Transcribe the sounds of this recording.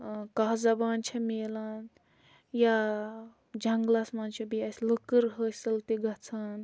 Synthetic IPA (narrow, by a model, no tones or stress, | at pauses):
kaɦzɐbaːnt͡ʃʰɐmeːlan | ja | d͡ʒʱɐŋɡlasmaːnt͡ʃʰebiasləkəɾɦəsɐlt̪iɡɐt͡sʰan